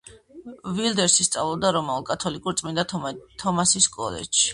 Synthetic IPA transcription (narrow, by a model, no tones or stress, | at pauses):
vilˠd̪ɛɾsist̪sʼa̰vlˠɔb̚d̪aɾɔmɛukʼat̪ʰɔlikʼuɾt̪sʼmind̪at̪ʰɔmasiskʼɔ̰lɛ̰t͡ʃʃi̥